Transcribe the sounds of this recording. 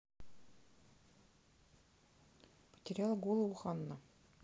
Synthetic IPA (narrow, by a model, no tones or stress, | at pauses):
pə̥̆tʲɪrʲjɑlˠɡolˠɤuχɑnːɤ